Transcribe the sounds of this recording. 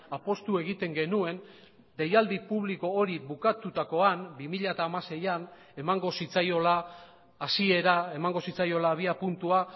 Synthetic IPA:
apo̞st̪ue̞ɣ̞it̪e̞ŋɡe̞nue̞n | d̪e̞jald̪ipuβ̞liko̞ːɾiβukat̪ut̪ako̞anbimiʎaet̪aːmase̞jan | e̞maŋɡo̞sit͡sajo̞laː | sie̞ɾae̞maŋɡo̞sit͡sajo̞laβ̞iapunt̪ua

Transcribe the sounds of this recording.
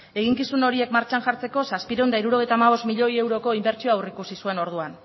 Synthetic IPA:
e̞ɣ̞iŋkisuno̞ɾie̞kmaɾt͡ʃanʝaɾt͡se̞ko̞saspiɾewnd̪aiɾuɾo̞ɣe̞jt̪aːmaβ̞o̞st̪miʎo̞je̞wɾo̞ko̞imbe̞ɾt͡ʃioawrikusisue̞no̞ɾðuan

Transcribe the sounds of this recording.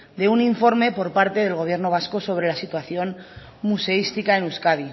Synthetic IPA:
d̪e̞uniɱfo̞ɾme̞po̞ɾpaɾt̪e̞ð̞e̞lɣ̞o̞β̞je̞ɾno̞β̞asko̞so̞β̞ɾe̞lasit̪waθjo̞n | muse̞ist̪ikae̞nuskað̞i

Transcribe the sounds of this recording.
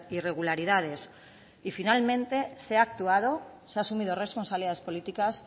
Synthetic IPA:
ire̞ɣ̞ulaɾiðað̞e̞s | ifinalmẽ̞nt̪e̞seak̚t̪uað̞o̞ | seaːsumið̞ore̞spo̞nsaβliðaðe̞spo̞lit̪ikas

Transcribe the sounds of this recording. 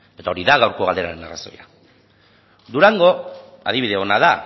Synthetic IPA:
e̞t̪ao̞ɾiðaɣawɾko̞ɣald̪e̞ɾaɾe̞naraso̞̰ja | d̪uɾaŋɡo̞ | a̰ðiβiðe̞o̞naða

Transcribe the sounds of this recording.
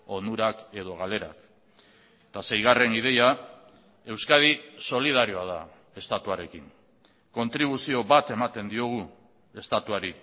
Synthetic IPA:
o̞nd̪uɾake̞ð̞o̞ɣ̞ale̞ɾa̰k | t̪ase̞jɣ̞are̞nið̞e̞ja | e̞wskaðiso̞lið̞aɾio̞að̞a | e̞st̪at̪uaɾe̞kiŋ | ko̞nt̪ɾiβ̞usio̞βat̪e̞mat̪e̞nd̪io̞ɣ̞u | e̞st̪at̪uaɾi

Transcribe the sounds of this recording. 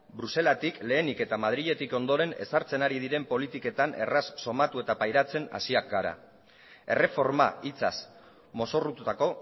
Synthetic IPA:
bɾuse̞lat̪ikle̞ːnike̞t̪amaðɾiʎe̞t̪iko̞nd̪o̞ɾe̞ne̞̰saɾt͡se̞naɾiðiɾe̞mpo̞lit̪ike̞t̪ane̞̰rasːo̞mat̪ue̞t̪apajɾat͡se̞na̰siak̚ɡaɾa̰ | e̞̰re̞fo̞ɾma̰it͡sa̰s | mo̞so̞rut̪ut̪ako̞

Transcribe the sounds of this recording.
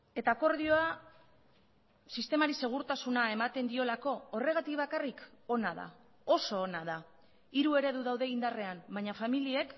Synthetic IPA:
e̞t̪aːko̞ɾðio̞a | sist̪e̞maɾise̞ɣ̞uɾt̪asunae̞mat̪e̞nd̪io̞lako̞ːre̞ɣ̞at̪ikβakariko̞naða̰ | o̞so̞ːnaða | iɾue̞ɾe̞ðuðawðe̞ind̪are̞ambaɲafamilie̞k

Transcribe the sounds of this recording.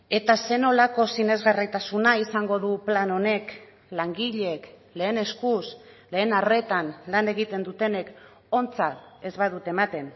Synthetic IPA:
e̞t̪ase̞no̞lako̞sine̞zɣarijt̪asunaisaŋɡo̞ðuplano̞ne̞k | laŋɡiʎe̞kle̞ːne̞skusle̞ːnare̞t̪anlane̞ɣit̪e̞nd̪ut̪e̞ne̞k | o̞nt͡sae̞zβaðut̪e̞mat̪e̞n

